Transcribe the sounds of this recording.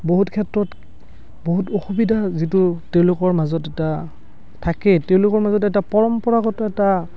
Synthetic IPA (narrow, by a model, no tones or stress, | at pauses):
boɦutkʰɛtɹɔt | boɦutoxubidʱazitʊteʊ̃lʊkɔɹmazɔtɛta | tʰakɛteʊ̃lʊkɔɹmazɔtɛtapɔɹɔmpɔɹaɡɔtɔɛta